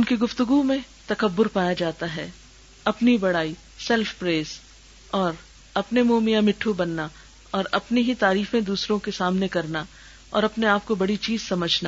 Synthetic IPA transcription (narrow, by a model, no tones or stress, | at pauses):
ʊnkiɡʊft̪ʊɡumẽ | t̪ɐkəbːʊɾpaːjad͡ʒaːt̪aɦɛː | ɐpnibɐɽaːi | sɛlfpɾeːz | ɔːɾ | ɐpnemoːmijãmɪʈʰːubɐnːa | ɔːɾɐpneɦit̪aːɾiːfẽd̪uːsɾõkesaːmnekɐɾna | ɔ̰ːɾɐpneaːp̚kobɐɽit͡ʃiːzsɐməd͡ʒʱna